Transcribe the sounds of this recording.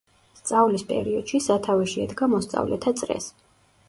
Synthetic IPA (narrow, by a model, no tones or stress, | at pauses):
st̪sʼavlispʼɛ̰ɾiɔd̪̥ʃisat̪ʰavɛʃiɛd̪ɡamɔst̪sʼa̰vlɛ̰t̪ʰat̪sʼɾɛ̰s